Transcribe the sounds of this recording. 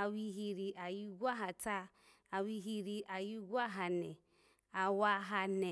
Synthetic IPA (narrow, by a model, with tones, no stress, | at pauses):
a˨wi˧ɦi˧ɾi˧a˨ji˦ɡʷa˦ɦa˨ta˦ | a˨wi˧ɦi˧ɾi˧ʔa˨ji˦ɡʷa˦ɦa˨nɛ˨ | a˨wa˧ɦa˧nɛ˨